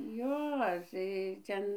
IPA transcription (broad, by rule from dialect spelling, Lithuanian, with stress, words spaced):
ˈjoː tɐɪ ˈtʲɛn